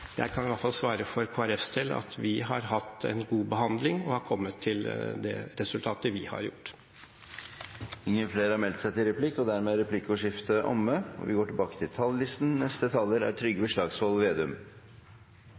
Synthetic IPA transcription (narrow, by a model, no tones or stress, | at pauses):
jæ̰ɪkʰɑnʋɑfɑlsʋɑːɾəfɔɾkʰoːæɾɛfst̪ʰɪlɑ̰t̪ʰʋɪɦɑɾɦɑt̪ːɛ̰nɡuːbəhɑnd̪lɪŋɔhɑɾkʰɔmːət̪ʰːɪld̪ɛ̰ɾɛsʉlt̪ʰɑːt̪əʋɪhɑ̰ɾjʊʈː | ɪŋːəfleːɾɑɾmɛlt̪sæɪt̪ɪlɾɛpʰlɪkːɔd̪æɾmeːɾɛpʰlɪkːʊʂɪft̪əʔɔ̰mːəɔ̰ʋɪ̰ɡoːʈɪlbɑːkə̥t̪ʰɪlt̪ʰɑlːɪst̪n̩nɛst̪ət̪ʰɑːləɾæ̰t̪ʰɾʏɡːəbəʂɭɑːɡsʋɔlʋeːd̪ʉm